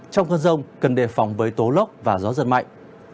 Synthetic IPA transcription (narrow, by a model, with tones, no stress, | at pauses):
t͡ɕɔ˧wŋ͡mkəː˧˩nzə˧wŋ͡mkə˨˩nɗe˧˩fɔ˨˦wŋ͡mvəː˨˦jt̪o˨˦lə˦˥k͡p̚vaː˨˩zɔ˨˦zə̰˧˨˩n̚ma̰˧˨jŋʔ